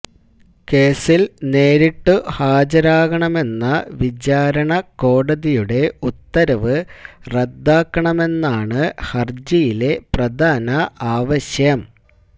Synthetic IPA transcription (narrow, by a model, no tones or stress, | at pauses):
ke̞ːsilne̞ːɾiʈːuhaːd͡ʑɐɾaːɣɐɳɐme̞nːɐʋid͡ʑaːɾɐɳɐko̞ːɽɐðijuɽe̞ut̪ːɐɾɐʋɨred̪ːaːkːɐɳɐme̞nːaːɳɨhɐrd͡ʑijile̞prɐd̪ʱaːnɐʔaːʋɐɕjɐm